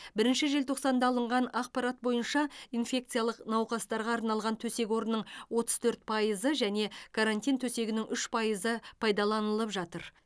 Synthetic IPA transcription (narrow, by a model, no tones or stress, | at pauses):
bɪɾɪnʃɪʒe̞lt̪ʰo̞qsɑnd̪ɑːlˠəɴʁɑnɑq̚pɑɾat̪̚bo̞jənʃɑinfʲe̞k̚t̪sɨjalˠəqnɑwqɑst̪ɑɾʁɑːɾnɑlˠʁɑnt̪ʰɵse̞kʲo̞ɾənːəɴwo̞t̪ə̥z̥t̪ʰɵɾt̪̚pʰɑjəzəʒæne̞kʰaɾant̪ʲijnt̪ʰɵse̞ɡʲɪnɪŋʔʏʃpʰɑjəzəpʰɑjd̪ɑlˠɑnəlˠəpʒɑt̪əɾ